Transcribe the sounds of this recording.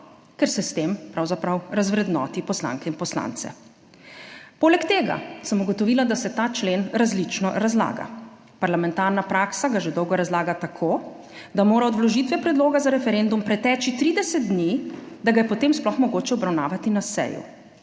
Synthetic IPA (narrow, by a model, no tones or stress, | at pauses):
kɛɾsɛst̪empɾawzapɾawɾazʋɾɛd̪nɔ̰ːt̪ipɔsla̰ŋkɛinpɔsla̰nt̪sɛ̰ | poːlɛkt̪eːɡa̰səmuɡɔt̪ɔʋiːlad̪asɛt̪aːt͡ʃleːnɾazlit͡ʃnɔɾazla̰ːɡa̰ | paɾlamɛnt̪aɾnapɾaːksaɡaʒed̪ɔwɡɔɾazlaːɡat̪akʰoː | d̪amoːɾaɔd̪lɔʒiːt̪ʋɛpɾɛd̪loːɡazaɾɛfɛɾend̪umpɾɛt̪ɛːt͡ʃit̪ɾiːd̪ɛsɛt̪̚d̪nid̪aɡajɛpɔt̪eːmsplɔxmɔɡoːt͡ʃɛɔbɾawnaːʋat̪inasɛ̰jṵ